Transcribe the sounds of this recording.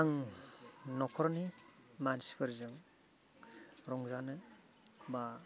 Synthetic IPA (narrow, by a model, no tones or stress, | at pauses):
aŋ | nɔkʰɔɾɔnimansi̥pʰaɾzɯŋ | ɾɔŋzanɯ | ba